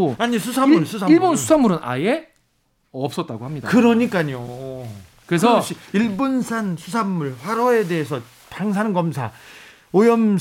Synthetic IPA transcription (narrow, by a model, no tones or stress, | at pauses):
aɲisʰusʰamːuɭsʰusʰaiɭbonsʰu̥sʰamuɾɯna̰je | ʌp̚s͈ʌt̚t͈aɡohamɲidakɯɾʌɲik͈aɲo | kɯɾesʰʌɕiiɭbonsʰansʰusʰamːuɭɸwaɾʌe̞de̞ɦesʰʌ | taŋs̬ʰanɯnɡʌmsʰa̰ | ojʌm